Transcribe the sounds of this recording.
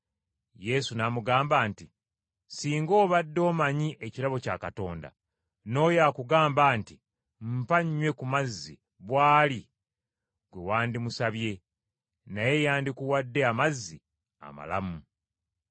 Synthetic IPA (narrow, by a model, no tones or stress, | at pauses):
je̞sunamuɡaːmbaːnti | siːŋɡo̞ːβadːo̞ːmaɲiʔeciɾaβo̞ca̰kato̞ːnda̰ | no̞ːjaːkuɡaːmbaːnti | m̩paɲːwe̞kumazːi | βwaːli | ɡwewaːndimusaβje̞ | naje̞jaːndikuwadːe̞amazːi | a̰ma̰la̰mu